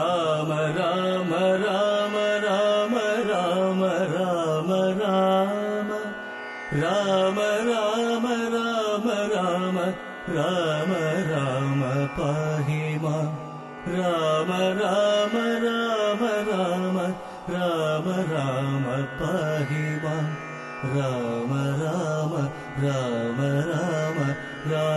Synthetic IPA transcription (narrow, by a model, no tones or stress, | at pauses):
a | mɐɾaː | mɐɾaːmɐɾamɐɾamɐɾaːməɾa | mɐ | ɾaːməɾaːməɾaːməɾaːmɐ | ɾaːmɐɾamɐpaɦima | ɾaːmɐɾaːmɐɾaːmɐɾamɐ | ɾaːmɐɾaːmɐpaɦimaː | ɾaːmɐɾamɐ | ɾamɐɾaːmɐ | ɾaː